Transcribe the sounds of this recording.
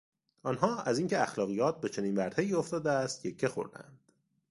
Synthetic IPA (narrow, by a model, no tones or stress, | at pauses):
ʔɒːnɦɒːæziːŋcʰeæxlɒːɣijɒːt̪̚be̞t͡ʃʰe̞niːnvæɾt̪ʰeiːoft̪ɒːd̪eæst̪̚jecʰːexo̞̰ɾd̪æ̰nd̪̥